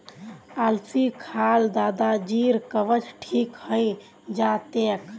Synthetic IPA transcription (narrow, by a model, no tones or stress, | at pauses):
alsikʰald̪ad̪ad͡ʒiɾkəʋət͡ʃʈʰikhəj | d͡ʒat̪ek